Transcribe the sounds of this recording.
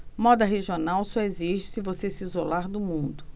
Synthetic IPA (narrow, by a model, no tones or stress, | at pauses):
mɔd̪ɐɦeʒionawsɔeziʒɪsɪvosesɪizolaɾd̪ʊmũd̪ʊ